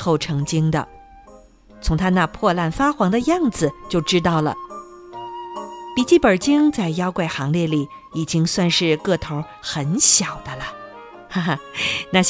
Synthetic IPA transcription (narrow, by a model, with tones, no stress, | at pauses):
xo˥˩ʊʈ͡ʂʰɤ˧˥ŋt͡ɕi˥ŋd̪ə̰˨ | t͡sʰʊ˧˥ŋt̪ʰa˥na˥˧pʰwɔ˥˧la˥˩nfa˥xwɑ˧˥ŋd̪ə˧jɑ˥˩ŋd͡zɹ̩˨˩t͡ɕjo˥˩ʊʈ͡ʂɻ̩˥t̪ɑ˥˩ʊlə̰˩ | pi˨˩t͡ɕi˥˩pə˞˨˩t͡ɕi˥ŋt͡sa˥˩ɪjɑ˥ʊkwe˥˩ɪxɑ˧˥ŋljɛ˥˩li˨˩˦ | i˨˩t͡ɕi˥ŋswa˥˧nʂɻ̩˥˧kɤ˥˩t̪ʰo˧˥ʊ | xə˧˥nɕjɑ˨˩ʊd̪ə˦lə˧ | na˥˩